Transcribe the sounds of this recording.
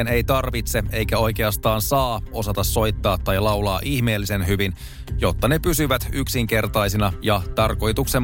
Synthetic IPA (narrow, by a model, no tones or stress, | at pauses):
ene̞jt̪ɑrʋit̪se̞e̞jkæo̞jke̞ɑst̪ɑːnsɑːo̞sɑt̪ɑsːo̞jt̪ːɑːt̪ːɑjlɑwlɑːʔiçme̞ːlːisenɦyʋin | jo̞t̪ːɑnepysyʋæt̪yksiŋke̞rt̪ɑjsinɑjɑt̪ɑrko̞jt̪ukse